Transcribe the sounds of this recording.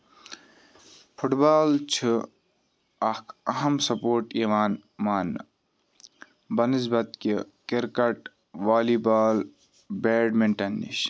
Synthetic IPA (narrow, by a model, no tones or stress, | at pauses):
pʰuʈbaːlt͡ʃʰi | ɐkʰɐɦɐmsɐpoːɾʈiːʋaːnmaːn | bɐnisbɐt̪̚ki | kiɾkɐʈ | ʋaːliːbaːl | beːɖmeɳʈɐnːḭɕ